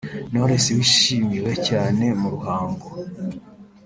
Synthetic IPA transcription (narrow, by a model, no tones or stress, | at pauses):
no̞ɾesewiʃiːmiwe̞caːne̞muɾuhaːŋɡo